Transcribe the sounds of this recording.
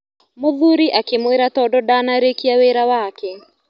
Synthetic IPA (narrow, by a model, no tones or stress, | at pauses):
moðuɾiʔakemweɾatɔdɔdanaɾekiaweɾawakɛ